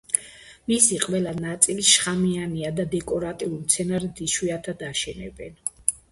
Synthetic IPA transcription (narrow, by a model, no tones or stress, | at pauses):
misiqʼwɛlanat̪sʼiliʃχamianiad̪ad̪ɛkʼɔɾat̪ʼiulimt̪sʰɛnaɾɛd̪iʃwiat̪ʰad̪aʃɛnɛ̰bɛn